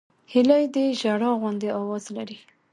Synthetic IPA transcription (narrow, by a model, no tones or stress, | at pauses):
hɪlajd̪eʒaɽɑɣʊnd̪eɑwɑzlaɾi